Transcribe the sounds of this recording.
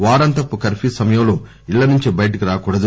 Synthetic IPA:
ʋaːɾɐnt̪ɐpːukɐɾfisɐmɐjɐmlo | iɭːɐnuɲt͡ʃibɐjɐʈɐkiɾaːkuːɽɐd̪u

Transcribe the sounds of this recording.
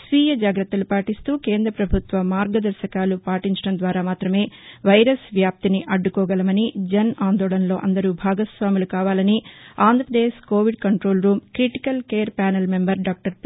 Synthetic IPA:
sʋiːjɐd͡ʒaːɡɾɐt̪ːɐlupaːʈist̪uːkeːnd̪ɾɐpɾɐbʱut̪ʋɐmaːɾɡɐd̪ɐɾʃɐkaːlupaːʈiɲt͡ʃɐɽɐmnd̪ʋaːɾaːmaːt̪ɾɐme̞ːʋɐjɾɐsʋjaːp̚t̪iniʔɐɖːukɔːɡɐlɐmɐnid͡ʒɐnaːnd̪ɔːɭɐnɐlo̞ːʔɐ̰nd̪ɐɾuːbʱaːɡɐsʋaːmulukaːʋaːlɐniaːnd̪ʱɾɐpɾɐd̪eːʃkoːʋiɖ̚kɐɳʈɾo̞ːlɾuːmkɾiʈi̥kɐlkeːɾpaːnɐlmembɐɾɖaːk̚ʈɐɾp

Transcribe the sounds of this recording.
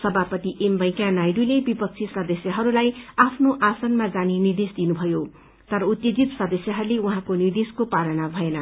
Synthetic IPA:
sʌbʱapʌt̪iʔembʌj̃kanajɖulebipʌk̚t͡sʰisʌd̪ʌsjʌɦʌɾulajapʰnoʔasʌnmad͡zaninird̪esd̪inubʱʌjo | t̪ʌɾʌut̪jed͡zit̪sʌd̪ʌsjʌɦʌɾuleuɦãkonird̪eskopalʌnabʱʌenʌ

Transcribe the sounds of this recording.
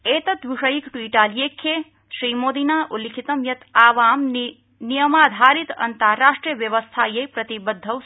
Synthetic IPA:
et̪ɐt̪ʋiʂəjikʈuiʈalijekʰːe | sɾimod̪inaʔulːikʰit̪ɐmjɐt̪aːʋaːm | nijəmaːd̪ʱaɾit̪ɐ̰nt̪aɾaʂʈɾijəʋjɐʋəst̪ʰajejpɾɐt̪ibəd̪ʱːəw

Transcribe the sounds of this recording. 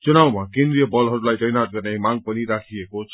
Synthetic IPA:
t͡sunawmakend̪ɾijʌbʌlɦʌɾulajtʌjnat̪̚ɡʌrnemãŋɡ̚pʌniɾakʰiekot͡sʰ

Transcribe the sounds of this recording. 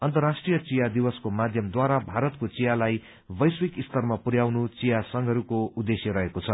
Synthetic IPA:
ʌnt̪ʌrasʈrijʌt͡sijad̪iwʌskomad̪ʱjʌmd̪waɾabʱaɾʌt̪kot͡sijalaj | bʌjswikist̪ʌrmapuɾjawnut͡sijasʌŋɡʱʌɾukoud̪esjʌɾʌɦekot͡sʰʌ

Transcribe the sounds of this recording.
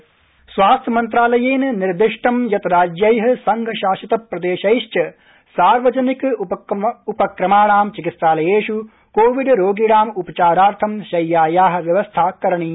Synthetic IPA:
sʋaːst̪ʰjɐmɐnt̪ɾaːlɐjeːnniɾd̪iʂʈɐmjɐt̪ɾaːd͡ʒjɐjɦɐ̆sɐŋɡʱɐʃaːʃɐt̪ɐpɾɐd̪eːʃɐjʃt͡ʃɐ | saːɾʋɐd͡ʒɐnik | upɐkɾɐmaːɳaːmt͡ʃikit̪saːlɐjeːʃu | koːʋiɖɾoːɡiɽaːmupɐt͡ʃaːɾaːɾt̪ʰɐmʃɐjːaːjaːɦɐ̆ʋjɐʋɐst̪ʰaːkɐɾɐɳiː

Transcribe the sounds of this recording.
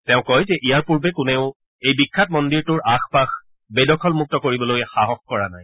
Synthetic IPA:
tɛʊ̃kɔjzɛʔijaɹpuɹbɛkʊneʊ | ejbikʰːatmɔndiɹtʊɹʔaxpax | bedɔkʰɔlmuk̚tɔkoɹibɔlojɛxaɦɔxkɔɹana̰j

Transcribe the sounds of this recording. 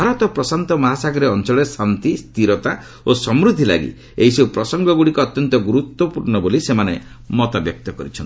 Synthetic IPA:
bʱaɾɔt̪ɔpɾɔsant̪ɔmaɦasaɡɔɾeɔnt͡ʃɔɭesant̪ist̪iɾɔt̪a | osɔmɾud̪ʱːila̰ɡḭ | eɦisopɾɔsɔŋɡɔɡuɽikɔːt̪jɔnt̪ɔɡuɾut̪wɔpuɾɳɔbolisemane | mɔt̪abjɔk̚t̪ɔkɔɾit͡ʃʰɔnʰi

